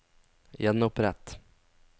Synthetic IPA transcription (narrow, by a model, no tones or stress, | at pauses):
jɛnːʊpːɾɛt̪ː